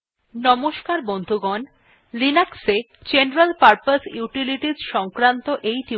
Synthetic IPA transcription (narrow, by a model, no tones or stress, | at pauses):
nɔmoʃkaɾbond̪ʱuɡɔn | linakse | d͡ʑenɾalpaɾpasjuʈiliʈid͡ʑʃɔŋkɾant̪oʔejʈi